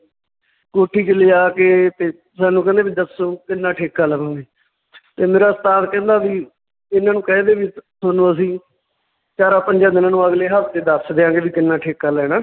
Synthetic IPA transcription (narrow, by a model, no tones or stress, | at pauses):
koːʈʰːiːt͡ʃəliːaːkeːt̪eː | saːnːũːkɛ̃ːnd̪eːbiːd̪əsoːkɪnːãːʈʰeːkːaːləʋãːŋɡeː | t̪eːmeːɾaːst̪aːt̪kɛ̃ːnd̪aːbiː | ɪnãːnũːkɛ̃ːd̪eːʋisonõːəsĩː | t͡ʃaːɾaːpəɲd͡ʒaːd̪ɪnãːnũːəɡleːɦəpt̪eːd̪əɾsd̪eːãːŋɡeːʋiːkɪnːãːʈʰeːkːaːlɛɛːnaː